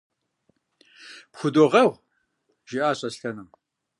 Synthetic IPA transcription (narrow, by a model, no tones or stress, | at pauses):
pxʷʊdoʁɐʁʷ | ʒ̥iʔaːɕʼɐsɬɐnɨm